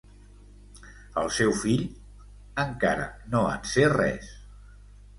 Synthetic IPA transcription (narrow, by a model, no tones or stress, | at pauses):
əlˠsɛwfiʎ | əŋkaɾə̰noə̰nserɛ̰s